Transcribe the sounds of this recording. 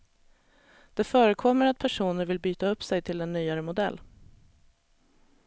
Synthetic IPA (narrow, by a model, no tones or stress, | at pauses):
d̪̥ɛfœːɾəkʰɔmːəɾat̪̚pʰæʂuːnəɾvɪlbyːt̪aɵpːsɛjt̪ʰɪlɛnːyːaɾəmʊd̪ɛ̰lː